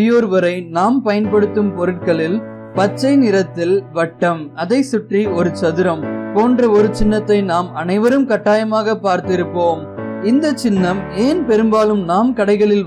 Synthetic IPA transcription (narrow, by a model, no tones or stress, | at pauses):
ɪjoːɾʋɐɾɐɪnaːmpɐjɐnpɐɽɯt̪ːɯmpɔɾɯʈ̚kɐɭɪl | pɐt͡ʃːɐɪnɪɾɐt̪ːɪlʋɐʈːɐmɐðɐɪsʊʈriɔɾɯt͡ʃɐðɯɾɐmpoːndrɐɔɾɯt͡ʃɪnːɐt̪ːɐɪnaːmɐnɐɪʋɐɾɯmkɐʈːaːjɐmaːɣɐpːaːɾt̪ɪɾɯpːoːm | ɪnd̪ɐt͡ʃːɪnːɐmeːnpɛɾɯmbaːlɯmnaːmkɐɽɐɪɣɐɭɪl